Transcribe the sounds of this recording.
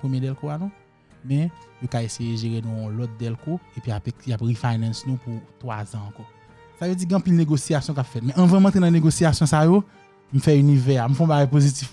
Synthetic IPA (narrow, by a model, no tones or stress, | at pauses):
pemjedɛlkoanũ | mɛ̃jokaesejeʒeɣenũɔ̃lɔt̪̚d̪ɛlkoepɥijapɛkjapɣifajnɛ̃snũput̪wa̰zãːkɔ | savød͡ziɡɛ̃pilneɡosijasjɔ̃kapfɛt̪mɛ̃ʔɐ̃ṽmãt̪ɣenɐ̃neɡosijasjɔ̃sajo | m̩fɛynivɛam̩fɛ̃ɔ̃baɡajpozitif